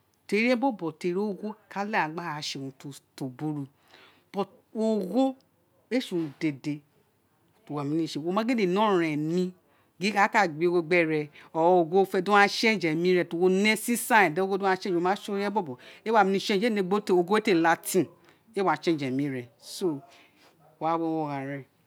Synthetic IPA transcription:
te˧˨˦ɾi˦ɛ˦bɔ˦bɔ˨te˨ɾo˦o˦˧ɡo˦ka˦la˦a˨ɡ͡ba˦a˧ʃe˧˨ũ˧to˧to˨bu˦ɾu˧ | b̥ɔ˨ | o˧ɡo˦ | e˦ʃũ˨˧˨ũ˨˧de˨de˨ | to˨wa˨mĩ˧nĩ˦˨ʃe˨o˧mã˨˦ɡe˦de˨nɔ̃˦˨ɛ̃˨nĩ˧ | ɡi˨˦ka˦ka˦˨ɡ͡bi˨˦o˧ɡo˧ɡ͡bɛ˦˨ɾɛ˧ɔ˨wɔ˧o˧˨ɡo˦fɛ˧dõ˦ã˦ʃɛ˦˨d͡ʒɛ˨mĩ˦ɾɛ˧˨to˧˨wo˧ne˦si˦sã˦˨dɛ˦o˦ɡo˦du˦a˦˧˦ʃɛ̃˦d͡ʒo˧˨mã˦ʃo˦ɾi˦ɛ˦bɔ˦bɔ˨e˦wa˦˧˨mi˧nĩ˦˧˨ʃẽ˦˨d͡ʒe˦˨nẽ˧˨ɡ͡bo˦to˧ɡo˦e˦te˦˨la˧tʰĩ˦˨ | e˦wa˨t͡ʃẽ˦˨d͡ʒɛ˨mĩ˨˦ɾɛ˨so˦˨ | wa˦wɔ˦˧˦wɔ˧˨ɣã˨ɾɛ˨

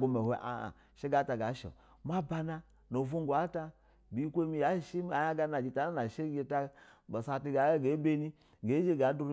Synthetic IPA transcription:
ɡo˧me˨hʷe˦ʔa̰˨ | ʃe˦ɡa˦ta˨ɡa˨˦ʃo̰˨ | ma˦ba˧na˧ | no˨vo˦ŋɡʷa˨˦ta˧ | bʲi˨˦kʷo˦mi˧ja˨˦˨ʃi˦m˦a˨ja˦ɡa˧˦na˨d͡ʒi˨ta˨na˦na˨ʃe˦ɡʲe˧ta˧bo˨sa˧ti˧ɡa˨˦ɡe˨˦be˦ni˦ | ɡe˨˦d͡ʒe˦ɡa˨˦du˧ɾ

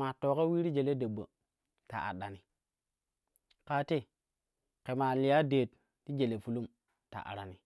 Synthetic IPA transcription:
a˨to˨ka˦wi˦ɾi˦d͡ʒe˨le˦de˨bːə̰˨ | ta̰˨ʔa̰˨ɗa˨ni˨ | ka˨te˦ | ke˨ma˨li˨ja˦deː˨t | ti˦d͡ʒe˨le˨fu˦lu˦m | ta̰˨ʔa̰˨ɾa˨ni˨

